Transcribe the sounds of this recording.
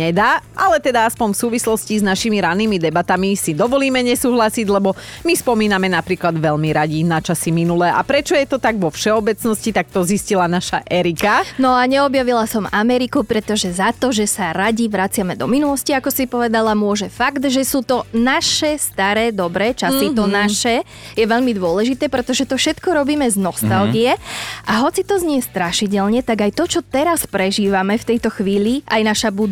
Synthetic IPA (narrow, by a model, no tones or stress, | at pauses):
ɲɛd̪aːalɛt̪ɛd̪aaspɔɲfsuːʋislɔsciznaʃimiɾanːiːmid̪ɛbat̪amisid̪ɔʋɔliːmɛɲɛsuːɦlasiɟlɛbɔmispɔmiːnamɛnapɾiːklad̪ʋɛʎmiɾaɟinat͡ʃasiminulɛːʔa̰pɾɛt͡ʃɔjɛt̪ɔt̪aɡʋɔfʃɛɔbɛt͡snɔscit̪ak̚t̪ɔziscilanaʃaʔɛɾikanɔaɲɛɔbjaʋilasɔmamɛɾikupɾɛt̪ɔʒɛzat̪ɔʒɛsaɾaɟiʋɾat͡sɪamɛd̪ɔminulɔsciakɔsipɔʋɛd̪alamʊɔʒɛfaɡt̪ʒɛsuːt̪ɔnaʃɛst̪aɾɛːd̪ɔbɾɛːt͡ʃasit̪ɔnaʃɛ | jɛʋɛʎmid̪ʊɔlɛʒit̪ɛːpɾɛt̪ɔʒɛt̪ɔfʃɛt̪kɔɾɔbiːmɛznɔst̪alˠɡiɛʔaɦɔt͡sit̪ɔzɲɪɛst̪ɾaʃiɟɛʎɲɛt̪aɡajt̪ɔt͡ʃɔt̪ɛɾaspɾɛʒiːʋamɛft̪ɛjt̪ɔxʋiːʎiʔajnaʃabud̪